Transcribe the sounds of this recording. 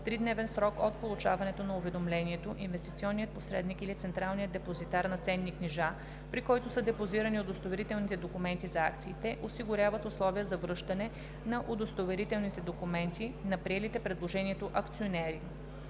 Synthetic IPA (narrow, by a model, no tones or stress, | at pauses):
t̪ɾid̪nɛvɛnsɾɔkot̪̚polˠut͡ʃavɐnɛt̪onɐʊvɛd̪omlɛniɛt̪oʔinvɛst̪it̪siɔnːijət̪̚posɾɛd̪nikilit̪sɛnt̪ɾalˠnijəd̪ɛpozit̪aɾnɐt̪sɛnːiknɛʒa | pɾikɔjt̪ʊsɤd̪ɛpoziɾəniod̪ost̪ovɛɾit̪ɛlˠnit̪ɛd̪okʊmɛnt̪izɐakt̪siːt̪ɛʔosiɡʊɾʲavət̪ʊslˠɔvijəzɐvɾɤʃt̪ɐnɛ | nɐʔod̪ost̪ovɛɾit̪ɛlˠnit̪ɛd̪okumɛnt̪inɐpɾiɛlit̪ɛpɾɛd̪lˠoʒɛniɛt̪oʔɐkt̪sionɛɾi